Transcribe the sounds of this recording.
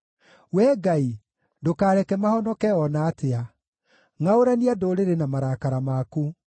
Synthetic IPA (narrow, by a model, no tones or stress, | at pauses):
wɛːɡai | dokaːɾɛkɛmahɔnɔkɛɔnaːtea | ŋaoɾaniadoːɾeɾenamaɾaːkaɾamaku